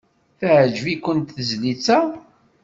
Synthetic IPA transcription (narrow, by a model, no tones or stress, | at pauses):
θʕd͡ʒvikənt̪θəzlit͡sːæ